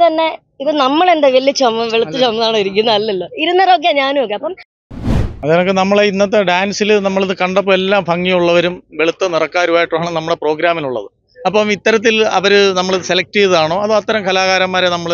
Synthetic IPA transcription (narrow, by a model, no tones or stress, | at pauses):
t̪ɐnːe̞ | iðɨnɐmːɐɭe̞nd̪eʋeɭːit͡ɕːomːɐmʋeɭut̪ːit͡ɕomːɐnaːɳoːiɾikʲːunːɐɐlːɐlːoiɾunːɐɾok̬ːeɲaːnuok̬ːeɐpːɐm | ɐðeːkːɨnɐmːɐɭeinːɐt̪ːeɖaːnsilnɐmːɐɭiðɨkɐɳɖɐp̬ːoelːaːmbʱɐŋːijuɭːɐʋɐɾumʋeɭut̪ːɐnirɐkːaːɾuʋaːjiʈːuaːɳɐmnɐmːuɽepro̞ːɡɾaːmiluɭːɐ̰ðɨ | ɐpːɐmit̪ːɐɾɐt̪̬ːilɐ̰ʋɐɾɨnɐmːɐɭiðɨse̞lɐk̚ʈijðaːɳoːɐðɨɐt̪ːɐɾɐmkʰɐlaːɣaːɾɐmːaːɾenɐmːɐɭ